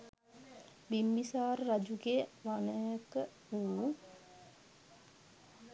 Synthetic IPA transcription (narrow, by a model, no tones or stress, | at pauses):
bimbisaːɾːad͡ʒuɡeəʋanəjəkə | uː